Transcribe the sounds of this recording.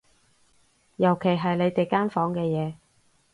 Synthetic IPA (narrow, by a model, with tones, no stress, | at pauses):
jɐ˨˩wkʰe˨˩jɦɐ˨jle˨˧jt̪e˨jkaː˥nfɔː˨˥ŋkɛː˧jɛː˨˧